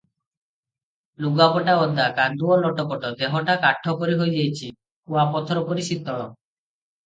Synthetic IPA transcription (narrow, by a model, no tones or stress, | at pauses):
luɡapɔʈaɔnd̪ʱakand̪uɔlɔʈɔpɔʈɔd̪eɦɔʈakaʈʰːɔkɔɾiɦojd͡ʒajt͡ʃʰi | uapɔt̪ʰɔɾɔpɔɾisit̪ːɔɭ̃ɔ